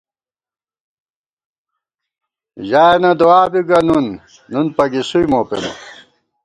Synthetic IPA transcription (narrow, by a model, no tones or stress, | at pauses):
ʑaːenɐd̪oaːbiɡɐnunː | unpɐɡisujmoːpḛnɐ̰